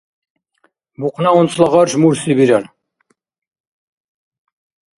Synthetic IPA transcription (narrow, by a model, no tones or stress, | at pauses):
buqnɑonslˠɑʁɑɾʃmuɾsibiɾan